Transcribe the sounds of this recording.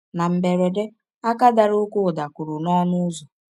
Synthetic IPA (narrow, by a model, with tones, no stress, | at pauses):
na˨m̩˨be˨ɾe˨de˦ | a˦ka˦da˨ɾu˦kʷu˦˨da˨kʊ˨ɾʊ˨nɔ˦nʊ˦zɔ˨